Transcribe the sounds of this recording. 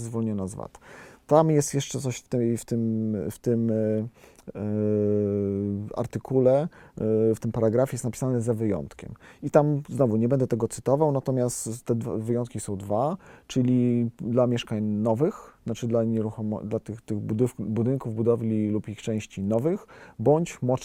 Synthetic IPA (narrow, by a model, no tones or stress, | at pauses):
zvɔlɲɔnazva̰t̪t̪amjɛst̪jɛʂt͡ʂɛt̪sɔɕft̪ft̪ɘmft̪ɘm | a̰ɾt̪ɘkʰulɛ | ft̪ɘmpaɾaɡɾafʲjɛst̪napʲi̥sanɛzavɘjɔ̰nt̪kʲɛ̰mit̪amznɔvuɲɛbɛnd̪ɛt̪ɛɡɔt̪sɘ̥t̪ɔvawnat̪ɔmʲjast̪t̪ːɛd̪vavɘjɔnt̪̚kʲisɔ̃w̃d̪vat͡ʂɘlʲid̪lamʲjɛʂkaɲnɔvɘxat͡ʂɘd̪laɲɛɾuxɔm̰d̪lat̪ɘxt̪ɘɣbud̪ɘbud̪ɘŋkuvbud̪ɔvlʲilupixt͡ʂɛ̃w̃ɕt͡ɕinɔvɘxbɔɲt͡ɕmɔ